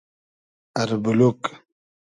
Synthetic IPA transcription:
aɾbuluk

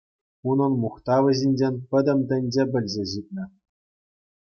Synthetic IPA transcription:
unɤ̆nmuχt̪ɑʋɘ̆ʑinʲd͡ʑenʲpʲɘ̆d̪ʲɘ̆md̪ʲɘ̆nʲd͡ʑebʲɘ̆lʲzʲeʑit̪̚ʲnʲɘ̆

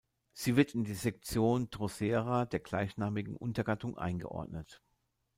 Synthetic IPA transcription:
z̥iːvɪɐtɪndiːzɛk̚t͡sjoːndʁ̥ozeːʁadeːɐɡ̥laɪçnaːmɪɡŋ̩ʔʊ̰ntɐɡatʊŋʔa̰ɪnɡə̰ʔɔ̰ɐdnət

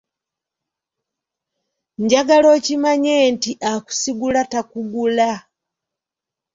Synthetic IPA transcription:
ɲɟaɡalo̞cimaɲentiʔaku̥siɡulatakuɡula

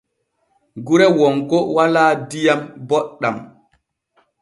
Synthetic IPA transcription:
ɡuɾɛwɔŋkɔwalaːdijambɔɗːa̰m

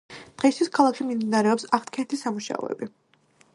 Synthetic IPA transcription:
d̪̥ʁɛist̪ʰwiskʰalˠakʃimimd̪inaɾɛɔpsaχt̪ʰkʰɛnt̪ʰisamuʃa̰ɔ̰ɛ̰bi

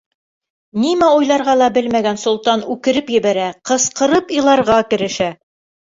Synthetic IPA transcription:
nimæujlˠɑɾʁɑlˠɑbɘlmæɡænsŏlˠt̪ɑnʉkɘ̆ɾɘpjɘ̆βæɾæqɤ̆sqɤ̆ɾɤpilˠɑɾʁɑkɘ̆ɾɘ̆ʃæ

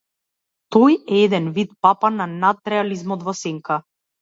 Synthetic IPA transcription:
t̪ɔjɛɛd̪ɛnvit̪̚papananat̪ɾɛalizmɔd̪vɔsɛŋkʰa

